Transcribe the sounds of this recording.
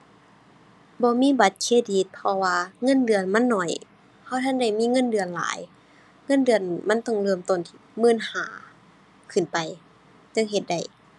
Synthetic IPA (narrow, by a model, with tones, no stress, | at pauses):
bɔː˧miː˧˥˨ba˧˦t̪̚kʰeː˧˥˨diː˧˩t̪̚pʰɔ˧waː˧ŋɤ˧˥˨ndɯ˧˩ənma˧˥˨nːɔ˧˨˩j | hʰa˧˩wt̪ʰa˧˥˨ŋda˧˥˩jmiː˧˥˨ŋɤ˧˥˨ndɯ˧˩ə˨nla̰ː˨˦j | ŋɤ˧˥˨ndɯ˧˩ənma˧˥˨nt̪ɔ˧˩ŋlɤː˧˩˨mt̪o˧˩˨nt̪ʰi̥˧˩mɯː˧˥˨nha̰ː˨˦ | kʰɯ˧˩npa˨˩j | t͡ɕa˧˨ŋɦe˧t̪̚da˧˩j